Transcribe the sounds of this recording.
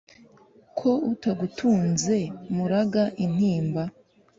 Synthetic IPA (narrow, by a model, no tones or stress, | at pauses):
kʰo̞utaɡutʰuːnze̞muɾaɡaʔin̥hiːmba